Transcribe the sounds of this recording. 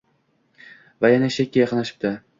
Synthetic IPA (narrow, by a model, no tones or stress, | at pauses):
vajanaʃekʲːajɑqʰɨnlaʃɪ̥p̚t̪ɪ